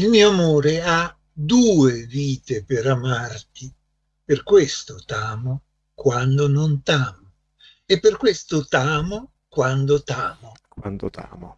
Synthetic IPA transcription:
ilmiːoamoːɾea | d̪uːeviːt̪epeɾamart̪i | perkwest̪ʊt̪aːmʊ | kwand̪ʊnont̪aːmʊ | epːerkwest̪ʊt̪aːmo | kwand̪ʊt̪aːmʊkwand̪ot̪aːmo

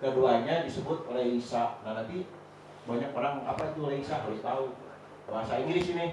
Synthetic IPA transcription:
kəduaɲadisəbʊt̪̚oleisanahnant̪i | baɲak̚pəɾaŋa̰pait̪uleisakalɪht̪au | baɦasainidisini

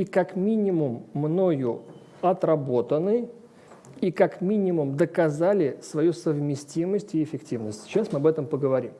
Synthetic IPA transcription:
ikakmʲinʲɪmʊmːno̞jʊ | ɐt̪rɐbo̞t̪ənɨj | ikakmʲinʲɪmʊmd̪əkɐzalʲɪsvɐjusəvmʲɪsʲtʲiməsʲtʲɪɪfʲɪktʲivnəsʲtʲɕasmɨɐbɛt̪əmpəɡəvɐɾʲim

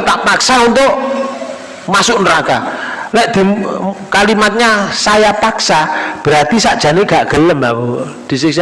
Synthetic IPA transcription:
t̪aʔpaksaunt̪ʊʔ | masʊʔnɾaka̰lɛʔd̪̥i̤mkalimat̪̚ɲasajapaksab̥əɾat̪isaʔd̥ʒ̥a̤neɡ̥aʔɡ̥ələmawo | d̪̥i̤sɪs

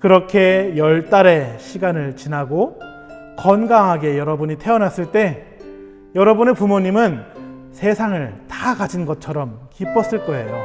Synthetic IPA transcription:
kɯɾʌkʰe̞jʌɭt͈aɾe̞ɕʰiɡanɯɭt͡ɕinaɡo | kʌnɡaŋɦaɡe̞jʌɾʌbuɲitʰe̞ʌnas͈ɯɭt͈e̞ | jʌɾʌbune̞pumoɲimɯn | sʰe̞sʰaŋɯɭtakad͡ʑinɡʌt͡ɕʰʌɾʌmkip͈ʌs͈ɯɭk͈ʌe̞jo

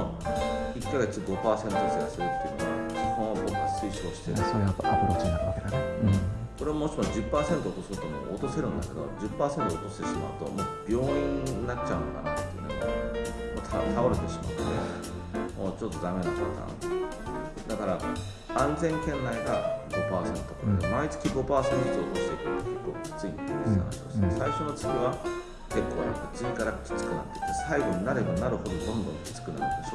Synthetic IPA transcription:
o | ikːaɡe̞t͡sɨɡo̞paːse̞nt̪osɨɡasɨɾɯ̟t̪ːejɯ̟noβakʲihɯ̃ɰ̃βabokɯasɨiɕoɕi̥t̪eɾɯsoɾeaapɯɾoːt͡sɨnaɾɯβaked̪ã | ko̞ɾe̞amoɕimod͡ʑɨpːaːsẽ̞nt̪oot̪o̞sɨt̪omo̰ot̪o̞se̞ɾɯ̟̃nd̪ake̞d̪o̞̰d͡ʑɨpːaːsent̪oːt̪o̞ɕi̥t̪e̞ɕima̰ɯ̟t̪o̞̰mob̥ʲjo̞ːĩɲinat͡ɕaɯ̟noka̰na̰t̪ejiɯ̰o | mot̪ʰa̰t̪ʰaoɾe̞t̪e̞ɕima̰t̪ːe̞̰ | moːt͡ɕo̞t̪ːo̞zãŋɡẽnːaɕot̪ã̰n̰t̪ | d̪akaɾa | ãnd͡zẽ̞ŋkẽ̞nːaiɡaɡo̞paːsẽnot̪ːokoɾdomait͡sɨ̥kʲiɡo̞paːsẽnezo̞ːhoːɕi̥t̪ekɯɾɯt̪okekːoːkʲi̥t͡sɨinit̪oɾesa̰na̰ɕio̰snesaiɕo̞not͡sɨ̥ɡʲiβa | ke̞kːo̞ːnã̰ŋkat͡sɨikaɾakʲi̥t͡sɨ̥kɯ̟na̰t̪ːei̥t̪ːesaiɡo̞ɲ̟inaɾed̪onaɾɯ̟ho̞d̪od̪õ̞nd̪õŋkʲi̥t͡sɨ̥kɯ̟na̰ɾɯ̟̰nd̪eɕo

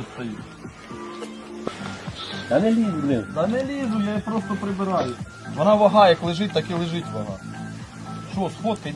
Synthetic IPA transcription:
t̪ɐju | t̪ɐnɛlʲiznɪt̪ɑnɛlʲizʊjajipɾost̪ɔpɾɪbɪɾɑjʊ | ʋɔnɑʋɐɦɑjɐklˠɪʒɪt̚ʲt̪ɑkilˠɪʒɪtʲʋɐɦɑ̰ | ʃɔsxot̪̚pi

